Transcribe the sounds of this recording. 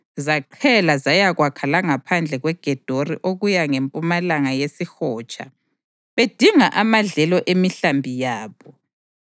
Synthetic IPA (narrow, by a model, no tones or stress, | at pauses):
zaǃʰɛlazajaɣwakʰalaŋapʰand͡ɮʱɛɣwɛɡ̥ʱɛd̥ʱoriʔoɣujaŋempʼumalaŋajesixɔːt͡ʃʼa̰ | βed̥ʱiŋaʔamaɮɛlɔʔemiɬambʱijaːβɔ